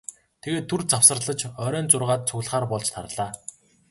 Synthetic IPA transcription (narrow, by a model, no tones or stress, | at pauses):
t̪ʰeɣeːt̪ʰːurt͡sawsə̆rɮə̆t͡ɕœːɾœːnt͡sʊrʁaːt̪̚t͡sʰɵɣɮχaːrpɔɮt͡ɕt̪ʰaɾɮaː